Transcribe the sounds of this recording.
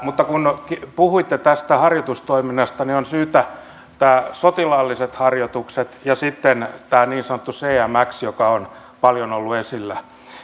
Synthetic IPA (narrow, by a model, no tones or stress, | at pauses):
mut̪ːɑkunkipuhuit̪ːet̪æst̪æhɑrjot̪ust̪oiminːɑst̪ɑnionsyːt̪æ | t̪æːsot̪ilɑlːiset̪hɑrjot̪ukset̪jɑsit̪ːent̪æːniːnsɑnot̪ːuseːæmæksjokɑon | pɑljonolːuesilːæ